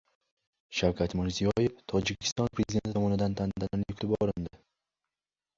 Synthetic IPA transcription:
ʃawkʲʰat̪mɪɾzijɒje̞ft̪ʰɒd͡ʒɪkʲʰɪ̥st̪ɒnpʰɾezid̪e̞nt̪ɪt̪ɒmɒnɪd̪ant̪ʰand̪ananjʊkʲt̪ʰɪbɒɾɪnd̪ɪ

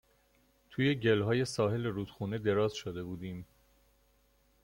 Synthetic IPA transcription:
t̪ʰuːje̞ɟe̞lɦɒːje̞sɒːɦe̞leɾuːd̪̥xuːne̞d̪e̞ɾɒːzʃod̪e̞buːd̪iːm

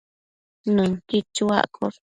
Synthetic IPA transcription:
nɨ̃ŋkit͡ʃua̰ʔkʰoɾ

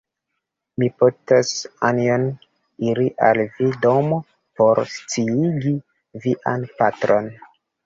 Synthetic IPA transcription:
mipotasanion | iɾiʔalvido̞mo | po̞ɾst͡siliɡi | viʔanpatɾo̞n

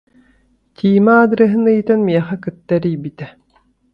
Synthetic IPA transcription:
t̪ʰiːmaaːd̪ɯɾɐɦɯnɯjt̪anmiɛχɛkɯt̪ːaɾijbit̪ɛ

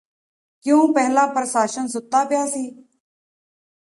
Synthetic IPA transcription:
kjõːpɛɦlaːpɾəsaːʃənsʊt̪ːaːpɪjaːsiː

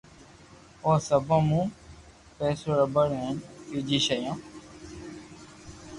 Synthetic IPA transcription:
oːsəbãːmũː | peːsoːɽəbəɽɦẽːnkuːd͡ʒiːʃəjãː

